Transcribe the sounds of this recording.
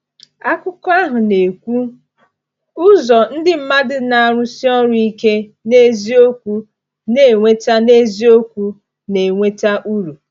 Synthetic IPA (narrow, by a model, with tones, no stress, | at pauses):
a˦kʊ˦kɔ˦a˦ɦʊ˨ne˨kʷu˦ | ʊ˦zɔ˨n̩˦dɪ˦m̩˦ma˦dɪ˨na˨a˨ɾʊ˦si˦ɔ˦ɾʊ˦i˦ke˦ne˦zi˦o˦kʷu˦ | ne˨ŋʷe˦ta˦ne˦zi˦o˦kʷu˦ | ne˨ŋʷe˦ta˦ʔu˦ɾu˨